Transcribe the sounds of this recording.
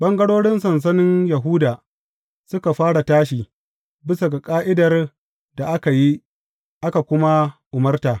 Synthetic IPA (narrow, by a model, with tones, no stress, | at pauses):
ɓɐ˦ŋɡɐ˦ɽoː˦ɽɪ˦nsɐ˨ns̬ɐ˦nɪ˦njɐ˨ɦu˦daː˨ | sʊ˦ka˨ɸaː˦ɽa˨taː˦ʃ̬iː˨ | bɪ˦sa˨ɡa˨kʼaː˦ʔɪ˦dɐ˨r | da˨ʔa˦ka˨ji˦ | ʔa˦ka˨kʷʊ˦ma˦ʔʊ˨mɐ˦rtaː˨